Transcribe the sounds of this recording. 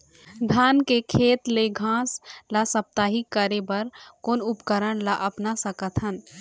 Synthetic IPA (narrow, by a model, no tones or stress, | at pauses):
d̪ʱaːnkekʰeːt̪leɡʱãːslasəp̚t̪aːɦikəɾebəɾkoːnʊpkəɾəɳlaʔəpnasəkət̪ʰɦən